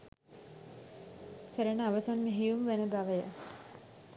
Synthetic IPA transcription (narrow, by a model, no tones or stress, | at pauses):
kʰəɾənəaʋəsanmeɦijumʋenəbaʋəjə